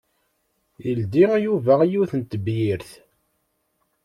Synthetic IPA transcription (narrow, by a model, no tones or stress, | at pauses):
jəld̪ijuvæjuθənt̪ːbjiɾθ